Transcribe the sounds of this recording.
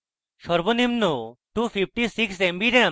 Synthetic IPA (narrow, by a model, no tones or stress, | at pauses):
ʃɔɾbonimnoʈufipʰʈisiksembiʈe